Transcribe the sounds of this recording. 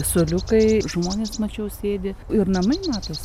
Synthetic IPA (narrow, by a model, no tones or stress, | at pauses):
sʊlʲʊkɐɪʒmoːnʲeːsmɐt͡ʃʲɛʊsʲeːd̪ʲɪɪrnɐmɐɪmɑːt̪oːs